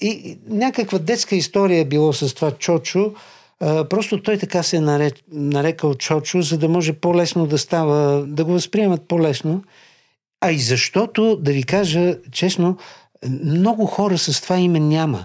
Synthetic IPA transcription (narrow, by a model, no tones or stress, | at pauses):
inʲakəkvəd̪ɛt̪skəist̪ɔɾijəɛbilˠasɐst̪ovat͡ʃɔt͡ʃʊ | pɾɔst̪ʊt̪ɔjt̪ɐkasɛnɐɾɛnɐɾɛkəlt͡ʃɔt͡ʃʊzɐd̪ɐmɔʒɛpolɛsnod̪ɐst̪avəd̪ɐɡovɐspɾiɛmɐt̪̚polɛsno | ɐizɐʃt̪ɔt̪od̪ɐvikaʒət͡ʃɛsno | mnɔɡʊxɔɾəsɐst̪ovaimɛnʲamə̰